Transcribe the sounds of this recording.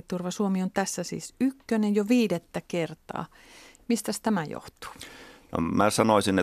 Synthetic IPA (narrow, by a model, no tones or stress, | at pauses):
t̪ːurʋɑsuomiont̪æsːæsḭːsykːønejjoʋiːdet̪ːækert̪ɑ̰ː | mist̪æst̪æmæjo̰ht̪u̥ːno̰mæsɑnoˑsine